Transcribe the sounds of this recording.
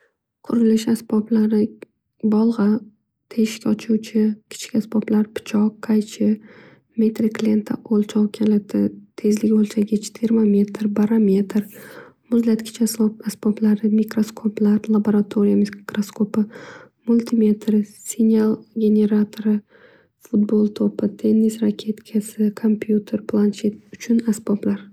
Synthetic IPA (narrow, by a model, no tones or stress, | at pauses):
qʰʊɾɪlɪʃasb̥ɒblaɾɪ | bɒlˠʁɑ | t̪ʰeʃkʲaɒt͡ʃʰuwt͡ʃʰɪkʲʰɪ̥t͡ʃʰkʲasbɒblaɾpʰɪ̥t͡ʃʰɒqːʰajt͡ʃʰɪ | me̞t̪ɾiklʲent̪ʰaʔolˠt͡ʃʰɒwkʲʰalat̪ʰɪ̰t̪ʰe̞zlɪɡʲolˠt͡ʃʰaɡʲat͡ʃʰɪ̥t̪ʰeɾmamʲe̞t̪ʰɾbaɾamʲe̞t̪ʰɾmʊzlat̪kʲʰɪ̥t͡ʃʰaslˠop̚asboplaɾɪmikɾoskʰoplaɾlˠaboɾat̪ʰoɾijamɪkɾoskʰopɪ | mʊlʲt̪ʰimʲe̞t̪ʰɾɪsinʲalˠɡʲe̞ne̞ɾat̪ʰoɾɪ | fʊt̪̚bolˠt̪ʰopɪt̪ʰe̞nːisɾakʲʰe̞t̪kʲʰasɪkʰompʰjut̪ʰe̞ɾpʰlˠanʃet̪̚ʊt͡ʃʰʊnasboblaɾ